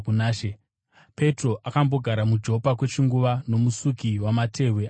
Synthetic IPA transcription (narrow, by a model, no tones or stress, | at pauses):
unaːʃe | pe̞tro̞ʔakambo̞ɡʱaɾamud͡ʒo̞pakwe̞t͡ʃiŋɡuʋano̞musukiwamatʰe̞wea